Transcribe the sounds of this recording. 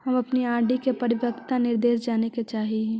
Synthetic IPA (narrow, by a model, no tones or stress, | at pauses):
ɦɐmɐpniaːɾɖikepɐɾɪʋəkt̪anɪɾd̪eːʃd͡ʒaːneket͡ʃaːɦiɦɛ̃